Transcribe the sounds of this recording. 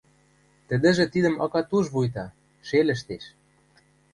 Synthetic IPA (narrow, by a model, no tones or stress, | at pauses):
t̪ə̆d̪ɘ̆ʒĕt̪id̪ə̆mɑkɑt̪uʒβujt̪ɑ | ʃelə̆ʃ̬t̪eʃ